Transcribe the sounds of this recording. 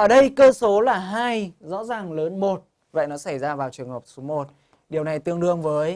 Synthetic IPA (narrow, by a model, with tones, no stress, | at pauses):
ʔəː˧˩ɗə˧jkəː˧so˨˦laː˨˩ɦaː˧jzɔ̰˧˥zaː˨˩ŋləː˨˦nmo˨˩t̚ | və̰˧˨jnɔ˨˦sa˧˩jzaː˧vaː˨˩wt͡ɕɨ˨˩əŋhəː˨˩p̚so˨˦mo˨˩t̚ | ɗi˨˩əwna˨˩jt̪ɨ˧əŋɗɨ˧əŋvəː˨˦j